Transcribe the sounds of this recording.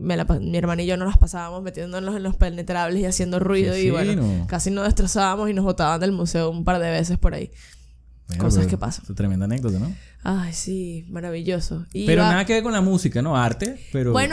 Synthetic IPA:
melapamie̞ɾmãnaiʝo̞no̞laspasaβamo̞smet̪je̞nd̪onlose̞nlo̞spene̞t̪ɾaβle̞siasje̞nd̪orwiðoiβwenonokasinoðe̞st̪ɾo̞saβamo̞sino̞zβo̞t̪aβand̪e̞lmuse̞oumpaɾðe̞βe̞s̬e̞spo̞ɾa̰ḭ | ko̞saske̞pa̰sat̪ɾemend̪anek̚d̪ot̪ano | ajsimaɾaβiʝo̞soipeɾonnaðakeβeɾko̞nlamusikanoaɾt̪epeɾobweno

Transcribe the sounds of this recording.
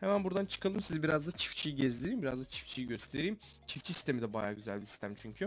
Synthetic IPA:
hɛmænbuɾd̪ant͡ʃʰɯ̥kalˠɯmsizibiɾazd̪at͡ʃʰi̥ft͡ʃʰijiɟɛzlʲeɾijimbiɾa̰zd̪at͡ʃʰi̥ft͡ʃʰijiɟøst̪ʰe̞ɾijim | t͡ʃʰift͡ʃʰisi̥st̪ʰe̞mid̪ɛbaja̰ːɟyzæ̰lʲbisi̥st̪ʰæmt͡ʃʰyɲcʰy

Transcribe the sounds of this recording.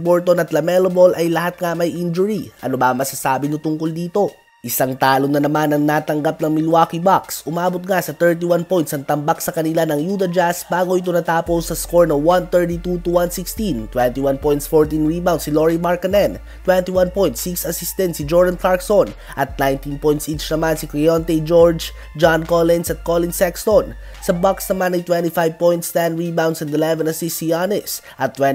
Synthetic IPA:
boɹt̪onɐt̪lɐmɛlobolʔɐjlɐhat̪̚ŋamɐjʔind͡ʒʊɹiʔɐ̰nobɐɐŋmɐsasaːbɪnʊt̪ʊŋkʊld̪iːt̪o̞ | ʔɪsaŋt̪aːlonɐnɐmanɐŋnaːt̪ɐŋɡap̚nɐŋmɪlwaːkibaksʔʊmaːbot̪̚ŋasɐt̪ɛɹt̪̬iwanpo̞jnt̪sɐŋt̪ɐmbak̚sɐkɐnɪlanɐŋjuːt̪ɐd͡ʒasbaːɡoʔit̪onɐt̪aːposɐskoɹnowant̪ɛɹt̪it̪ut̪uwansikst̪int̪wɛnt̪iwanpojnt̪sfoɹt̪inɹibawnsiloɹimaɹkɐnɛn | t̪wɛnt̪iwanpɔjnt̪siksɐsist̪ɛnt̪sid͡ʒɔɹd̪ɐnfaɹkson | ʔɐt̪̚najnt̪inpɔjnt̪sʔit͡ʃnɐmansikɹɛjont̪ɛd͡ʒoɹd͡ʒ | d͡ʒankolɛnsɐt̪̚kolɪnsɛkst̪on | sɐbaksnɐmanɐjt̪wɛ̃nt̪ifajv̚pɔjnt̪st̪ɛnɹibawnd̪sɛnd̪ɛlɛvɛnɐsisijanɪs | ʔɐt̪ːwɛ

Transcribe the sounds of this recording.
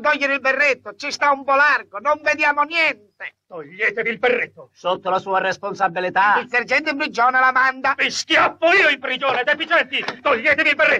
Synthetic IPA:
t̪ɔʎːeɾɪilberːet̪ːot͡ʃist̪aumpɔlarɡonoɱved̪jaːmonjɛnt̪et̪oʎːeːt̪eviːlberːet̪ːosot̪ːolasuːarɛsponsabːilit̪ailserd͡ʒɛnt̪ɪmpɾid͡ʒɔːnalamand̪aviskjafːoiːoimpɾid͡ʒoːned̪efit͡ʃɛnt̪it̪oʎːeːt̪evilberːe

